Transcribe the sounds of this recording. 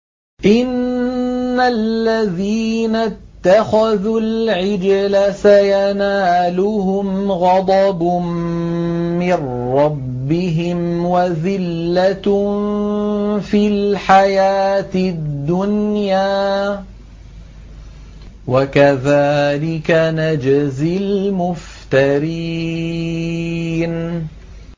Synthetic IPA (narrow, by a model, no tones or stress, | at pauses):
ʔɪnː | allːaðiːnat̪ːaxaðulʕɪd͡ʒlasajanaːlʊhʊmɣɑd̪ˤɑbm | mɪnːɑbːɪɦɪmwaðɪlːat | filħajaːt̪ɪd̪ːʊnjaː | wakaðaːlɪkanad͡ʒzɪlmʊf | t̪aɾi | n